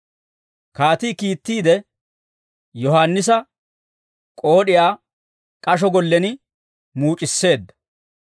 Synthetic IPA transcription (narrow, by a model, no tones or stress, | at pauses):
kaːt̪iːkiːt̪ːiːd̪ɛ | jɔɦaːnːɪs̬ɐ | kʼo̞ːɗɪjaː | kʼɐʃ̬ɔɡɔlːɛnɪ | muːt͡ʃʼɪsːe̞ːd̪ːɐ̥